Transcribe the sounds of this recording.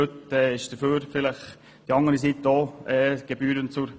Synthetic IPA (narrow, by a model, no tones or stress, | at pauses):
øt̪ɛːɪʃd̥əføːɾfɪləχ | d̥iɑŋəɾisit̪oːɛːɡ̥ebyːɾənt͡sʊɾ